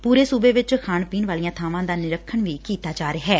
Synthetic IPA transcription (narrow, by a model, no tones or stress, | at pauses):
puːɾeːsuːbeːʋɪt͡ʃkʰaːɳpiːnʋaːlijãːt̪ʰaːʋãːd̪aːnɪɾəkʰːəɳʋiːkiːt̪aːd͡ʒaːɾeːɦɛː